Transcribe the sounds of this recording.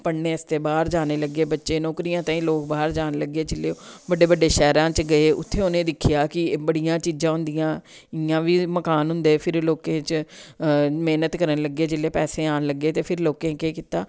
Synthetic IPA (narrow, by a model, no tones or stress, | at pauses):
pəɽneːɪst̪eːbaːɾd͡ʒaːneːləɡːeːbətːʃẽːnɔːkɾijãːt̪aːĩːloːkbaːɾd͡ʒaːnləɡːeːd͡ʒɪlːeːobəɖeːbəɖːeːʃɛːɾãːt͡ʃɡəeːʔʊ̰t̪ʰːeːʊnẽːd̪ɪkʰːɪjaːkɪbəɽijãːt͡ʃiːd͡ʒãːɦʊ̃nd̪ijãː | ɪjãːʋiːməkaːnɦʊ̃nd̪eːpʰɪɾloːkẽːt͡ʃ | meːnət̪kəɾənləɡːeːd͡ʒɪlːeːpɛːseːaːnləɡːeːt̪eːpʰɪɾloːkẽːkeːkɪt̪aː